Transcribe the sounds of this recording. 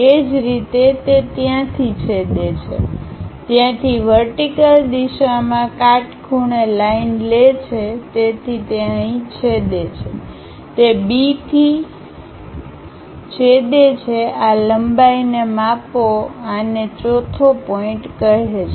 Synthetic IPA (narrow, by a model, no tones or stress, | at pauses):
ed͡ʒɾit̪et̪et̪jãt̪ʰit͡ʃʰed̪et͡ʃʰḛt̪jãt̪ʰiʋəɾʈikəld̪iʃamãkaʈkʰuɽelainlet͡ʃʰet̪et̪ʰit̪jãĩt͡ʃʰed̪et͡ʃʰe | t̪ebit̪ʰi | t͡ʃʰed̪et͡ʃʰealəmbainemãpoanet͡ʃɔt̪ʰopɔĩʈkəɦet͡ʃʰe